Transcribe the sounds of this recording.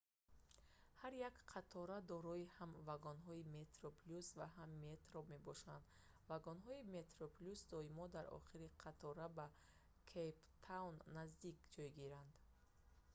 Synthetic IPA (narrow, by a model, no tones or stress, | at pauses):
haɾjakqʰat̪ʰɔɾad̪ɔɾɔihamvaɡɔnɦɔime̞t̪ɾopʰlusvaɦamːet̪ɾobme̞bɔʃand̪ | vaɡɔnɦɔime̞t̪ɾopʰlusd̪ɔimɔd̪aɾɔ̰χiɾiqʰat̪ʰɔɾaba | kʰejpt̪ʰawnːazd̪ikd͡ʒɔjɡiɾand̪